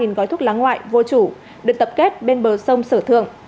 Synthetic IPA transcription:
i˨˩nɣɔ˨˦jt̪ʰʊ˦˥k̚laː˨˦ŋːwa̰ː˧˨jvo˧t͡ɕu˧˩ | ɗɨ˨˩ək̚t̪ə˨˩p̚ke˦˥t̚ɓe˧nɓəː˨˩sə˧wŋ͡msəː˧˩t̪ʰɨ̰˧˨əŋ

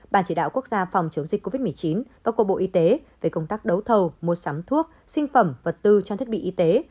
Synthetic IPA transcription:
ɓaː˧˩nt͡ɕi˧˩ɗa̰ː˧˨wku˦˥ək̚zaː˧fa˨˩wŋ͡mt͡ɕɨ˨˦əŋ͡mzi˨˩k̟ko˧vi˦˥m˨˩əjt͡ɕi˨˦nvaː˨˩ku˧˩əɓo̰˧˨ʔi˧t̪e˨˦ve˧˩kə˧wŋ͡mt̪aː˦˥k̚ɗə˨˦wt̪ʰə˧wmo˨˩t̚sa˨˦mt̪ʰu˦˥ək̚ | sï˧ŋ̟fə˧˩mvə˨˩t̚t̪ɨ˧t͡ɕɔ˧t̪ʰi˦˥t̚ɓḭ˧˨ʔi˧t̪e˨˦

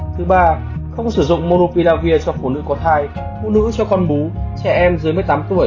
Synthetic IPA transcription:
t̪ʰɨ˨˦ɓaː˧ | xə˧wŋ͡msɨ˧˩zʊ̰˧˨ŋ͡mmo˧ɾo˧pi˧laː˧vi˧ət͡ɕɔ˧fu˧˩nɨ̰˧˥kɔ˨˦t̪ʰaː˧j | fṵ˧˥nɨ̰˧˥t͡ɕɔ˧kɔ˧nɓu˨˦t͡ɕɛ˧˩ʔɛ˧mzɨ˨˦jmɨ˧əjt̪aː˨˦mt̪u˧˩əj

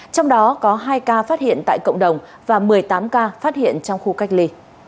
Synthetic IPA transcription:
t͡ɕɔ˧wŋ͡mɗɔ˨˦kɔ˨˦ɦaː˧jkaː˧faː˦˥t̚hḭ˧˨ənt̪a̰ː˧˨jkə̰˧˨wŋ͡mɗə˨˩wŋ͡m | vaː˨˩mɨ˨˩əjt̪aː˨˦mkaː˧faː˦˥t̚hḭ˧˨ənt͡ɕɔ˧wŋ͡mxu˧ka˦˥k̚li˧

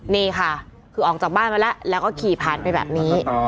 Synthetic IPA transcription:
niː˧˩kʰa˥˩ | kʰɯː˧ʔɔː˨˩k̚t͡ɕaː˨˩k̚baː˥˩nma˧lɛ˦˥ʔlɛː˦˥wkɔː˥˩kʰiː˨˩pʰaː˨˩npa˧jbɛ̰ː˨˩p̚niː˦˥

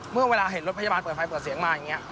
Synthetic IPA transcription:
mɯ˥˩ɐweː˧laː˧ɦe˩˦nɾo˦˥t̚pʰa˧aː˧npɤː˨˩t̪̚fa˧jpɤː˨˩t̪̚si˩˦ŋmaː˧ja˨˩ŋːi˦˥ɐ

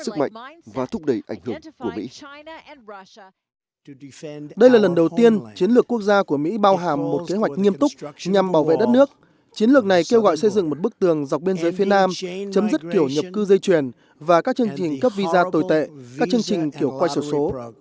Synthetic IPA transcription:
sɨ˦˥k̚ma̰˧˨jŋvaː˨˩t̪ʰʊ˦˥k͡p̚ɗə˧˩jʔa˧˩jŋ̟hɨ˧˩əŋku˧˩əmḭ˧˥ | ɗə˧jlaː˨˩lə˨˩nɗə˨˩wt̪i˧ənt͡ɕi˨˦ənlɨ˨˩əkːu˦˥ək̚zaː˧ku˧˩əmḭ˧˥ɓaː˧wɦaː˧˩mːo˨˩t̚ke˨˦ɦwa˨˩t̚k̚ŋi˧əmt̪ʊ˦˥k͡p̚ɲa˨˩mɓaː˧˩wvḛ˧˨ɗə˦˥t̚nɨ˦˥ək̚ | t͡ɕi˨˦nlɨ˨˩ək̚na˨˩jke˧wɣɔ̰˧˨jsə˧jzɨ̰˧˨ŋmo˨˩t̚ɓək̚t̪ɨ˨˩əŋza˨˩wk͡p̚ɓi˧ənzəː˨˦jfi˨˦ənaː˧mt͡ɕə˨˦mzə˦˥t̚ki˧˩əwɲə˨˩p̚kɨ˧zə˧jt͡ɕwi˨˩ən | vaː˨˩kaː˦˥k̚t͡ɕɨ˧əŋt͡ɕi˨˩ŋ̟kə˦˥p̚vi˧zaː˧t̪o˨˩jt̪ḛ˧˨aː˦˥k̚t͡ɕɨ˧əŋt͡ɕï˨˩ŋ̟ki˧˩əwkwa˧jso˧˩so˨˦

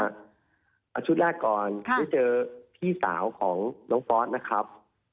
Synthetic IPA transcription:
a˩ | ʔa˨˩t͡ɕʰu˦˥t̪̚lɛː˥˩kːɔː˨˩na˥˩t͡ɕɤː˧t̪ʰiː˥˩sa̰ː˩˦wkʰɔː˩˦ŋnɔː˦˥ŋfɔː˦˥t̪̚na˦˥kʰa˦˥p̚

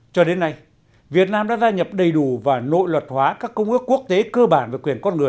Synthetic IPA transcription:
t͡ɕɔ˧ɗe˨˦nːa˧j | vi˨˩ət̚naː˧mɗa̰ː˧˥zaː˧ɲə˨˩p̚ɗə˨˩jɗu˧˩vaː˨˩no̰˧˨jlwə˨˩t̚hwaː˨˦kaː˦˥kːə˧wŋ͡mkɨ˦˥kːu˦˥ək̚t̪e˨˦kəː˧ɓaː˧˩nve˨˩kwi˨˩ənkɔ˧nŋɨ˨˩ə

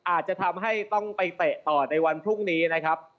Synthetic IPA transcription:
ʔaː˨˩t̪̚t͡ɕa˨˩t̪ʰa˧mɦa˥˩jt̪ɔ˥˩ŋpa˧jt̪e˨˩ʔt̪ɔː˨˩na˧jwa˧npʰɾu˥˩ŋniː˦˥na˦˥kʰa˦˥p̚

